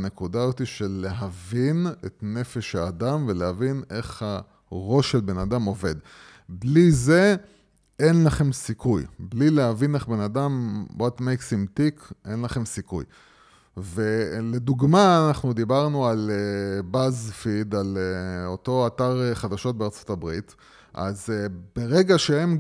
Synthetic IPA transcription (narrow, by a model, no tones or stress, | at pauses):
ne̞kudazot̪iʃelːeɦavinetne̞fe̞ʃhaːdamvelehavine̞χha | ʁo̞ʃelbe̞nadamo̞ve̞̰d̪ | blize̞ | e̞nlaχe̞msikujblileɦavineχbe̞nadamwʔatmejksimtikʔe̞nlaχe̞msikṵj | ve̞le̞d̪uɡmaːnaχnud̪ibaʁnualebazfid̪aleoto̞ataʁeχad̪aʃo̞t̚beaʁt͡so̞tabʁit | ʔa̰zb̥eʁe̞ɡaʃeem